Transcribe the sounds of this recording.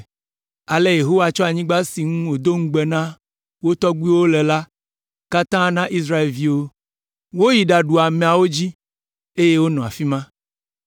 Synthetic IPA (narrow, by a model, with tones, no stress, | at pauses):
a˨le˦je˨ɦo˦wa˨t͡ʃɔ˦a˨ɲĩ˦ɡ͡ba˦si˨ŋũ˦wo˨d̪o˦ŋ̩˦ɡ͡bɛ˨nã˦ | wo˦t̪ɔ˦ɡi˦wo˦lɛ˨la˦ | ka˦t̪ã˦nã˦ʔi˦sɾa˦e˨lvi˦wo˦ | wo˦ji˨ɖa˨ɖu˨a˨mɛ̃˨a˨wo˦d͡ʑi˦ | e˦je˦wo˦nɔ̃˨a̰˨fi˦mã˦